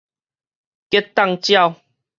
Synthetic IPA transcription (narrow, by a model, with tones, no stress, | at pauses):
ke˦˥t̪a˥˧ŋt͡ɕja˥˧w